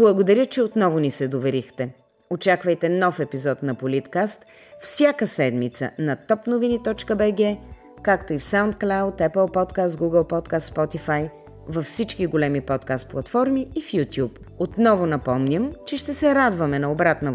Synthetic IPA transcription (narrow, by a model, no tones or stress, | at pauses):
blˠɐɡod̪ɐɾʲjət͡ʃɛot̪nɔvʊnisɛd̪ovɛɾixt̪ɛ | ot͡ʃakvɐjt̪ɛnɔfɛpizɔt̪nɐpolit̪kast̪ | fsʲjakəsɛd̪mit̪sə̰nɐt̪ɔpnovinit̪ɔt͡ʃkəbɛɡɛ | kakt̪oifsawnt̪̚klˠawt̪ɛpəlˠpɔt̪kast̪̚ɡuɡəlˠpɔt̪kast̪spɔt̪ifaj | vɐfsit͡ʃkiɡolɛmipɔt̪kast̪̚plˠɐt̪fɔɾmiːfjut̪ʲjup | ot̪nɔvʊnɐpɔmnʲəmt͡ʃɛʃt̪ɛsɛɾad̪vɐmɛnɐobɾat̪nɐ